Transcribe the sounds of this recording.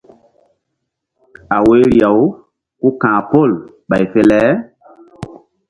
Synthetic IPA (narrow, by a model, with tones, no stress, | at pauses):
a˨we˦ɾi˨a˨w | ku˦kãː˨po˦˨l | ɓa˨jfe˦lɛ˦